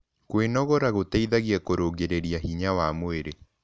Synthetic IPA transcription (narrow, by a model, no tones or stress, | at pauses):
kwenɔɣɔɾaɣotɛiðaɣiɛkoɾoɡeɾeɾiaɦiɲawamoeɾe